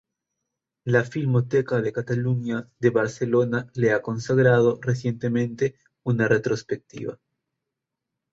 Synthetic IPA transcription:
lafilmo̞t̪ekaðe̞kat̪aluɲaðe̞βaɾse̞lo̞naleako̞nsaɣɾað̞o̞res̬je̞nt̪emẽ̞nt̪e̞ | unaret̪ɾo̞spek̚t̪ḭβa̰

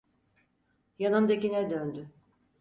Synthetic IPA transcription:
janɯnd̪akinɛd̪ønd̪y

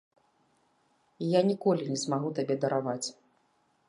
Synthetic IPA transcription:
janʲikɔlʲinʲɛzmaɣut̪abʲɛd̪ɐɾʔavat͡sʲ

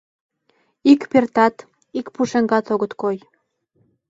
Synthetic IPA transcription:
ikpert̪ɑt̪ | ikpuʃeŋɡɑt̪oɣət̪koj

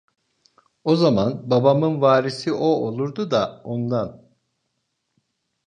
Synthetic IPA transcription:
o̞zamanbabamɯnvaːɾisiʔoolˠuɾd̪ud̪aond̪an

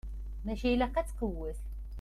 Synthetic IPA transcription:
mæʃæjlæqæt͡sːqəwːəθ

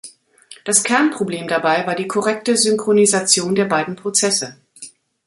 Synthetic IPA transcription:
d̥askʰɛɐnpʁ̥obleːmdabaɪvaːɐdiːkʰɔʁɛk̚təzʏŋkʁ̥onizat͡sjoːndeːɐbaɪdn̩pʁ̥ot͡sɛsə

